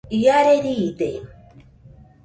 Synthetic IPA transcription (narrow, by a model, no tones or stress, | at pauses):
ijaɾeɾiːd̪e